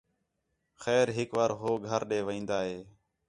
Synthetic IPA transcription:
xɛːɾɦɪkʋaɾɦoːɡʱəɾɗeːʋĩːnd̪aːɦeː

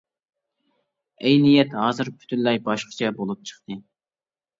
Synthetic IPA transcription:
ɛjnijɛt̪ɦɑːzɨɾpʰy̥t̪ʰynlːɛjbɑʃqʰə̥t͡ʃʰɛbolˠup̚t͡ʃʰə̥χt̪ɨ

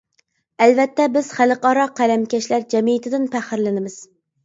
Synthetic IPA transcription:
ælvɛt̪ʰːɛbɪz̥χælˠɨqɑɾɑqʰælæmkʲɛʃlæɾd͡ʒɛmijɪt̪ʰɪd̪ɪnpæχɪɾlɪnɪmɪz̥

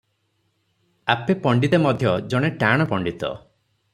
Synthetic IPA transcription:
apepɔɳɖit̪emɔd̪ʱjɔd͡ʒɔɽ̃eʈaɽ̃ɔpɔɳɖit̪ɔ̰

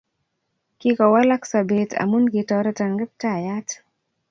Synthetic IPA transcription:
kikawalaksabɛta̰munɡetaɾataŋɡɛp̚tajat

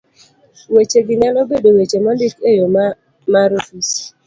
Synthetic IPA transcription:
wet͡ʃeɡɪnalɔbedowet͡ʃemandikejo | maɾofis

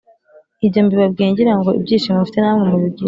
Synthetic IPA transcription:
ibɟoːmbiβabɡeːɲɟiɾaŋɡoḭb̚ɟiːnʃimŋufitenamŋemujub̚ɟiː

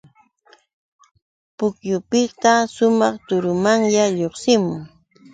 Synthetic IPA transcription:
pʊkjʊpɪt̪aʃʊmɑχt̪ʊɾʊmaŋjaʎoχsɪmʊŋ

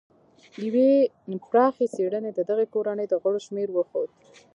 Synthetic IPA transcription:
jawe | pɾɑxeseɽəned̪əd̪aɣekoɾanəjd̪əɣəɽoʃmeɾwəxod̪̚

